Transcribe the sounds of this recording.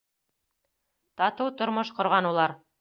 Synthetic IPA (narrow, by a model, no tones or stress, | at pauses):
t̪ɑt̪ɤwt̪ŏɾmoʃqŏɾʁɑnulˠɑɾ